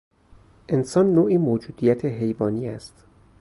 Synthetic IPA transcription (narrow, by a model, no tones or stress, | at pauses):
ʔe̞nsɒːnːoːʔiːmoːd͡ʒuːd̪ijæt̪ʰeɦe̞jvɒːniːæst̪